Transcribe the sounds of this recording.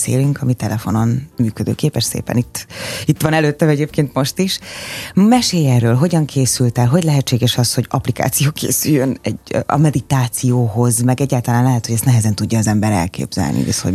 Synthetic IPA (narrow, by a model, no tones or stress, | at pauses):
sḛːlyŋkɒmit̪ɛlɛfo̞nonmyːkød̪ø̰ːkeːpɛʃsḛːpɛ̰nit̪ːit̪ːʋɒnɛløːt̪ːɛmɛɟeːpkeːnt̪mo̞ʃt̪iʃ | mɛʃeːjɛrːøːlɦo̞ɟɒŋkʰeːsylt̪ɛlɦo̞ɟʲlɛɦɛt͡ʃt͡ʃːeːɡɛʃɒsho̞ɟɒplika̰ːt̪sijoːkʰḛːsyjːønɛ̰ɟɒ̰mɛd̪it̪aːt̪sijoːɦo̞zmɛɡɛɟːaːlt̪ɒlaːnlɛɦɛt̪hoɟɛst̪nɛɦɛzɛnt̪uɟːɒːzɛmbɛɾɛ̰lkḛːbz̥ɛ̰lnʔḭɛ̰sho